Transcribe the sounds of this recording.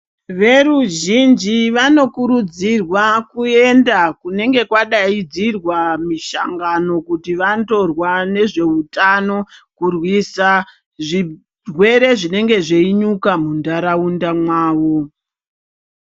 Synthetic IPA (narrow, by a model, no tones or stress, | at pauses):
ʋe̞ruʒind͡ʒiʋano̞kuɾud͡zirwakue̞ndakune̞ŋɡe̞kwaɗaid͡zirwamiʃa̰ŋɡano̞kutiʋanto̞rwane̞ʐe̞utano̞kurwisa | ʐi | rwe̞ɾe̞ʐine̞ŋɡe̞ʐeiɲukamundaɾaundamwaːʋo̞